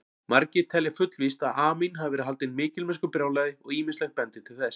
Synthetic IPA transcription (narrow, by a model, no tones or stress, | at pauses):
maɾcɪt̪ʰɛljafʏt̪l̥vist̪aðaːminɦavvɛɾɪɦalt̪ɪnmɪːcɪlmɛskʏpɾjaːwlɛːðɪɔɣiːmɪnstlɛxt̚pɛnt̪ɪ̥t̪ʰɪlθɛs